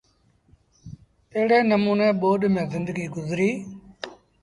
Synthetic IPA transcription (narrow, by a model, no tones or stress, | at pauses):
t̪eɦɽeːnəmuːnẽːɓoːɗmẽːzɪnd̪əɡiːɡʊzɾiː